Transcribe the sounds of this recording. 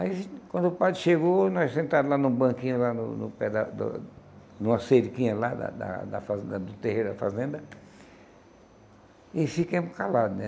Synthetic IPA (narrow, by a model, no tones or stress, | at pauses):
aikwɐ̃nd̪ʊʊpad̪ɾɪʃeɡonɔssẽnt̪ad̪ʊlanũbɐ̃kĩɲʊlanʊ̰nʊ̰pɛd̪ɐd̪ʊ̰ | nũmɐseɾikĩɲɐlad̪ɐ̰d̪ɐ̰d̪ɐ̰fazẽd̪ɐd̪ʊt̪eheɾʊd̪ɐfa̰zẽnd̪ɐ | ɪfikẽmʊkalad̪ʊnɛ